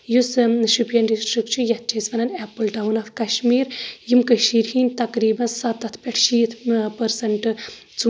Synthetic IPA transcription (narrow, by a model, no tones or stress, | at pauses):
jusʃupjɐnɖisʈɾikt͡ʃʰujɐt̪̚t͡ʃʲʰɐsʋɐnɐnɛpːɨlʈɐwnɐfkɐʃmiːɾjimkɐʃiːɾhiːnʲt̪ɐkɾiːbɐnsɐt̪ɐt̪ʰpʲɐʈʰʃiːt̪ʰpɐɾsɐɳʈ | t͡su